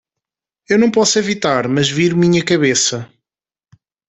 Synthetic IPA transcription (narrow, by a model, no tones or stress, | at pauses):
ewnɐ̃w̃pɔsevit̪aɾmɐʒviɾmiɲɐkɐβesɐ